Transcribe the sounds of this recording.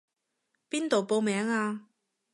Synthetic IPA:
piː˥nt̪o˨wpo˧wmɛː˨˥ŋaː˧

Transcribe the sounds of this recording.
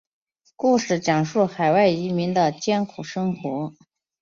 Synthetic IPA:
ku˥˩ʂɻ̩˥˩t͡ɕjɑ˨˩ŋʂu˥˩xa˨˩ɪwa˥˩ɪi˧˥mi˧˥ŋd̪ə˧t͡ɕjɛ˥nkʰu˨˩ʂɤ˥ŋxwɔ˧˥

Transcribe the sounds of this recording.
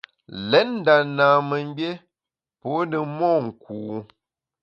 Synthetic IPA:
lɛ˨˦nn̩˦da˨naː˨mə˨m˦bje˦ | po˨˦nə˨mɔː˦˨ŋ̩˨kuː˨

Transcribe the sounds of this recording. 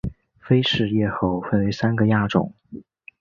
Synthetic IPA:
fe˥ɪʂɻ̩˥˧jɛ˥˧xo˥˧ʊfə˥˩nwe˧˥ɪsa˥nɡə˨ja˥˩ʈ͡ʂʊ̰˨˩˦ŋ

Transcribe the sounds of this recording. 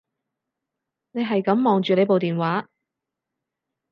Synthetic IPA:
ne˨˧jɦɐ˨jkɐ˨˥mːɔː˨ŋt͡ʃyː˨ne˨˧jpo˨wt̪iː˨˩nwaː˨˥

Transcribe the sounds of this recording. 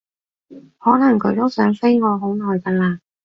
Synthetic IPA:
hɔː˨˥nɐ˨˩ŋkʰɵ˨˧ɥt̪o˥wsœː˨˥ŋfe˥jŋɔː˨˧ɦo˨˥wnɔː˨jkɐ˧laː˧

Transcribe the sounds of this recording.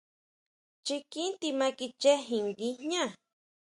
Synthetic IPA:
t͡ʃi˧ki˦nt̪i˧ma˧ki˧t͡ʃe˦ɦi˨ŋɡi˦ɲã˦˨

